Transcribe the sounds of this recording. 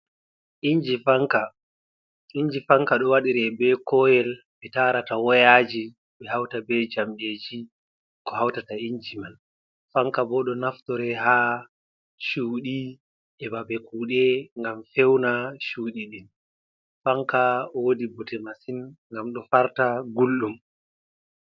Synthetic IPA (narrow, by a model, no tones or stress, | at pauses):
ʔiɲd͡ʒifaŋka | iɲd͡ʒifaŋkaɗɔwaɗiɾɛbɛkɔjɛl | ɓɛtaɾatawɔjad͡ʒi | ɓɛhawtabɛd͡ʒamɓed͡ʒi | kɔhawtataiɲd͡ʒiman | faŋkabɔɗɔnaftɔɾɛɦa | ʃuːɗi | ɛbabɛkuːɗɛŋɡamfɛwnaʃuːɗiɗin | faŋkaɔwodibɔtɛmasinŋɡamɗɔfaɾtaɡulɗum